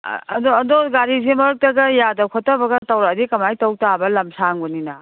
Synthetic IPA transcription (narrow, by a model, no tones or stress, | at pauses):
ɐ̰dɔɐdɔɡaɾizemɐɾɯk̚tɐɡɐjadɐkʰɔtːɐbɐɡɐtɐwɾɐɐdikɐmajtɐwtabɐlɐmsaŋbɔninɐ